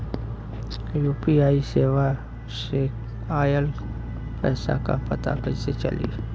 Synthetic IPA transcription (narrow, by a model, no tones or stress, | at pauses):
juːpiaːiseːʋa | ʃeː | aːjəl | pɛːsa̰ka̰pət̪a̰kəset͡ʃɐ̰lḭ